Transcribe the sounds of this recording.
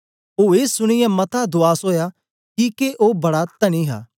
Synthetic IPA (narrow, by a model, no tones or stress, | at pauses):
oːeːsʊɽ̃ɪjɛ̃mɐt̪ʰad̪ʊaːsoːja | kikeʔoːbɐɽat̪ɐɽ̃iɦa̰ː